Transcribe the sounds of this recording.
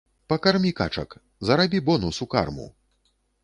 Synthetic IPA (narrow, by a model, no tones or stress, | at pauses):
pɐkarmʲikat͡ʂɐ̰k | zɐɾabʲibɔnusuka̰rmṵ